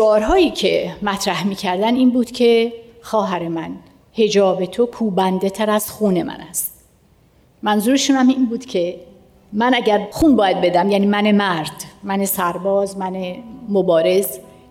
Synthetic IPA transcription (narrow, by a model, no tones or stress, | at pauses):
ʃɒːɾɦɒːjiːcʰe̞mæt̪ʰɾæhmiːcʰæɾd̪æniːnbuːd̪̥cʲʰe̞xɒːɦæɾe̞mæn | he̞d͡ʒɒːbe̞t̪ʰo̞kʰuːbænd̪e̞t̪ʰæɾæz̥xuːne̞mʔæ̰næst̪ | mænzuːɾeʃuːnæminbuːd̪̥cʲʰe̞ | mænæɟæɾxuːnbɒːjæd̪̚be̞d̪æmjæːniːmæne̞mæɾd̪̥mænesæɾbɒːzmænemobɒːɾe̞z